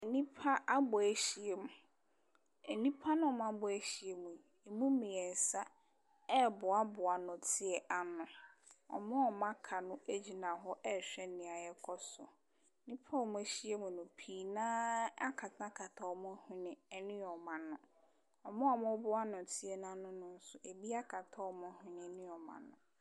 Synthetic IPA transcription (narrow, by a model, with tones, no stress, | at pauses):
e˨nĩ˦pʰa˦ʔa˦bʊ˨æ˨˦ɕi˨e˨mũ˨ | e˨nĩ˦pʰa˦nʊ̃˦˨mã˦bʊ˨æ˦ɕi˨e˨mũ˨ | e˨mũ˦mĩ˨ɛ˨n̩˨sa˦ | ɛ˦bʊ˨a˦bʊ˨a˨nʊ̃˨tʰɪ˦ɛ˨ʔa˨nʊ̃˨ɔ̰˨mʊ̃˦ɔ˨mã˦kʰa˨nʊ̃˦æ˦d͡ʑi˨nã˨ɦɔ˦ʔɛ˦ɕᶣɛ˦nɪ̃˨a˨jɛ˦kʰɔ˦sɔ̰˨ | nɪ̃˦pʰɔ˦˨mʊ̃˨˦e˨ɕi˦e˦mũ˨nʊ̃˨pʰiː˨nãː˦a˦kʰa˨tʰã˦kʰa˨tʰa˨ɔ˨˦mʊ̃˦hʊ̃˦nɪ̃˦ɛ˦nɪ̃˦ɔ˨mã˨nʊ̃˨ | ɔ˨mʊ̃˦ɔ˨mʊ̃˦bʊ˦a˦nʊ̃˨tʰɪ˦ɛ˨nã˦nʊ̃˦nʊ̃˨n̩˦sʊ˨ʔe˨bi˦a˦kʰa˨tʰa˦ɔ˦mʊ̃˦hɪ̃˦nɪ̃˨˦nɪ̃˦ɔ˨mã̰˨nʊ̰̃˨